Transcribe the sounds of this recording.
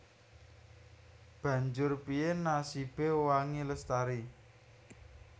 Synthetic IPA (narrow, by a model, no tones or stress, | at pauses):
b̥ä̤ɲd͡ʒʊrpiɪnːasib̥ewaŋiləst̪aɾi